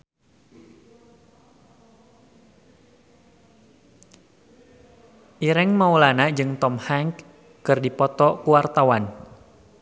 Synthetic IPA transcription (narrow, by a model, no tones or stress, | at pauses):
ʔiɾɛŋmaulanad͡ʒɨŋt̪ɔmhaŋk | kɨrdipɔt̪ɔkuwart̪awan